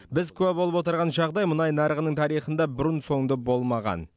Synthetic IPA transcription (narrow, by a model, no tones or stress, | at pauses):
bɪzkʲʰɵpwolˠəpwot̪əɾʁɑnʒɑʁd̪ɑjmʊnɑjnɑɾəʁənəɴt̪ʰɑɾijχənd̪ɑbɪɾʊnso̞ŋd̪əbo̞lˠmɑʁɑ̰n